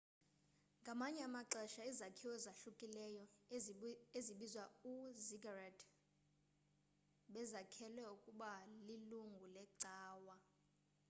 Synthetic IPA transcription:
ŋɡʱamaɲɛamaǀɛʃaizakʰiwɛzaʃukʼilɛjɔ | eziɓizwauziɡarad | ɓɛzakʰɛlwɛukʼuɓaliluŋɡʱulɛǀaːwa

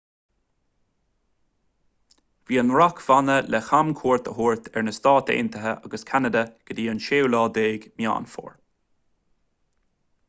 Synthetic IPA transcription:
viːənɹakʰv̥anəlʔɛxamkʰuːɹt̪əɦuːɹt̪ʰɛɹnəst̪ɑːt̪ḛːnt̪əɦəʔaɡəskʰanəd̪əɡ̥əd̪iːənʃeːwlɑːd̪eːɡmja̰ːnfo̰ːɹ

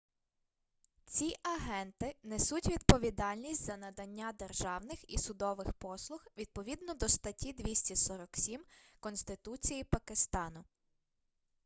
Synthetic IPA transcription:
t͡sʲiʔɐɦɛnt̪ɪnɛsutʲʋʲid̪̚pɔʋʲid̪ɑlʲnʲisʲtʲzɐnɐd̪ɐnʲːad̪erʒɑwnɪxisʊd̪ɔʋɪxpɔslˠʊxʋʲid̪̚pɔʋʲid̪nɔd̪ɔʃt̪ɐtʲid̪ʋʲisʲtʲisɔɾɔksʲimkɔnst̪ɪt̪ut͡sʲijipɐkɪst̪ɑnʊ

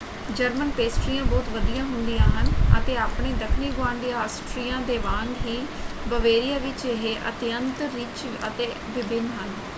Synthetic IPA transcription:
d͡ʒəɾmənpeːsʈɾijãːbɔːt̪ʋəd̪ijãːɦʊnd̪ijãːɦənə̰t̪eːaːpɳeːd̪əkʰniːɡʊʋãːɳɖiːɦaːsʈɾiːjãːd̪eːʋãːnɡɦiː | bəʋeːɾijaːʋɪt͡ʃɪɦeːʔə̰t̪ɪjənt̪ɾːit͡ʃ | ə̰t̪eː | ʋɪbʱɪnːɦən

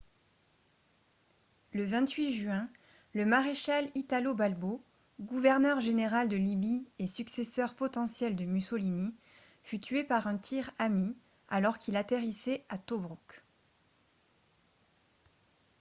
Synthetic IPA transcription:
ləvɛ̃t̪ɥiʒɥɛ̃ | ləmaʁeʃalit̪alobalbo | ɡuvɛʁnœʁʒeneʁald̪əlibiesyksesœʁpɔt̪ɑ̃sjɛld̪əmysolini | fyt̪ɥepaʁɛ̃t̪ʰiʁami | alɔʁkilat̪eʁisɛat̪ɔbʁuk

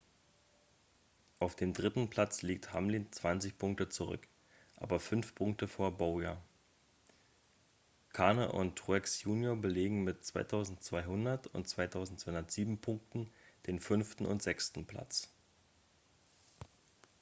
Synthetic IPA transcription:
ʔaʊfd̥eːmdʁɪtn̩pʰl̥at͡sliːk̚thamlint͡sv̥ant͡sɪçpʰʊŋk̚tət͡suʁʏ̰k | ʔa̰ːbɐfʏnfpʰʊŋk̚təfoːɐbaʊjaː | kʰaɐnəʔʊ̰ntʁuɛksjuːnjoːɐbəleːɡŋ̩mɪtt͡sv̥aɪtʰaʊzn̩tt͡sv̥aɪhʊndɐtʊ̰ntt͡sv̥aɪtʰaʊzn̩tsv̥aɪʊnɐtz̥iːbm̩pʰʊŋk̚tn̩d̥eːnfʏnftn̩ʊ̰ntz̥ɛkstn̩pʰl̥a̰t͡s

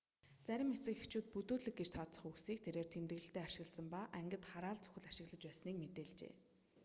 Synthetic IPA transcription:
t͡sæɾʲɪ̆met͡sɘ̆kxet͡ɕuːt̪̚put̪uːɮɘ̆k̚ɡet͡ɕt̪ʰɔːt͡sə̥̆χuksiːk̚t̪ʰeɾeːrt̪ʰemt̪ɘ̆ɣɘ̆ɬt̪eːaʃɪ̆ɣ̆ɮsə̆mpaʔæŋɡʲɪ̆t̪χaɾaːɮt͡sɵ̥xʲɘ̆ɮaʃɪ̆ɣɮə̆t͡ɕpæːsniːkmet̪eːɮt͡ɕḛː

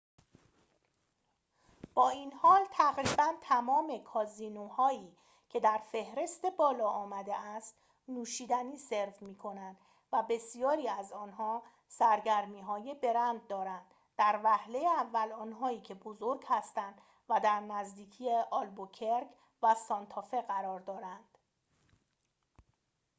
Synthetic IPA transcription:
b̥ɒːinhɒːlt̪ʰæɣɾiːbænt̪ʰæmɒːme̞kʰɒːziːnohɒːiː | cʰe̞d̪æɾfe̞hɾe̞st̪e̞bɒːlɒːɒːmæd̪eæst̪ | nuːʃiːd̪æniːse̞ɾvmiːkʰo̞nænd̪̥ | væbe̞sijɒːɾiːæzɒːnɦɒː | sæɾɟæɾmiːɦɒːjebe̞ɾænd̪̚ːɒːɾænd̪̥ | d̪̥æɾvæhle̞jeævːælɒːnɦɒːiːcʰe̞bozo̞ɾɡhæst̪ænd̪ | væd̪æɾnæzd̪iːcʰiːjeʔɒːlbocʰeɾk | væsɒnt̪ʰɒːfe̞ɣæɾɒːɾd̪ɒːɾænd̪̥

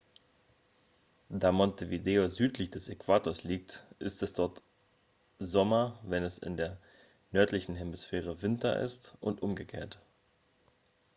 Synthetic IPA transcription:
d̥aːmɔntʰevideːozyːtlɪçd̥ɛsekv̥aːtoːɐsliːk̚tʔɪstɛsd̥ɔɐt | zɔmɐvɛnɛsɪ̰ndeːɐ | nœɐtlɪçn̩ɦɛmɪsfɛːʁ̞əvɪntɐ̰ʔɪ̰stʔʊntʔʊmɡəkʰḛːɐt

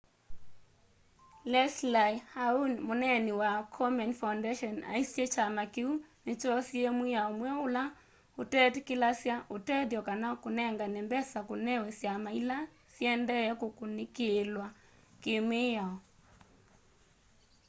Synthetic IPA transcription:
lɛslajhaunmonɛniwakʰɔmɛnfawndɛʃɔna̰isjɛt͡ʃamakeunet͡ʃɔsjemwejaɔmwɛʊla | otɛtkɪlasjaʔotɛdjɔkanakonɛŋɡanɛmbɛsakonɛwɛsjamaila | sjɛndɛɛkokonekelwa | kemejaɔ

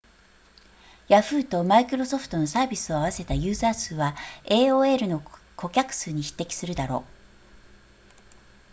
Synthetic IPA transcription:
jaɸɯ̟ːt̪o̞maikɯ̟ɾo̞so̞ɸɯ̥t̪o̞no̞saːbʲisɨo̞aβase̞t̪ajɯ̟ːzaːsɨːβae̞ːoːe̞ɾɯ̟no̞kʰo̞kʲakɯ̟̥sɨːɲ̟içi̥t̪ːe̞kʲi̥sɨɾɯ̟d̪aɾo̞ː

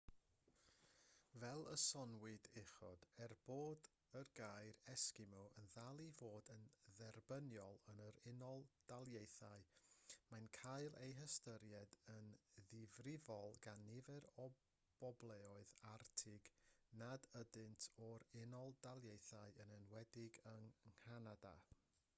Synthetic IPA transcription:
vɛlˠəsɔnwɨdɪχɔ̰d̥ɛrb̥oːd | ərɡaɨɾɛskɪmɔʔənðalˠivoːdənðɛrbənjɔlˠənəɾɪnɔlˠd̥alˠjejθaɨmajnkʰaɨlˠejɦəstəɾjɛdənðɪvrɪvɔlˠɡ̥anːɪvɛɾɔ | b̥ɔblˠɛɔɨðartʰɪɡnadədɨntʰɔɾɪnɔlˠdalˠjejθaɨənənwɛdɪɡəŋhanada̰

